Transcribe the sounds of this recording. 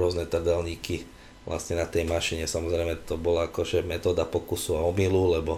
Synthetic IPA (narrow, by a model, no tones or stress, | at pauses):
ʊɔznɛt̪r̩d̪ɛlɲiːki | ʋlʔa̰stɲɛnat̪ɛjmaʃiɲɛsamɔzɾɛjmɛt̪ɔbɔlaakɔʒɛmɛt̪ɔːd̪apɔkusɔaɔmilulɛbɔ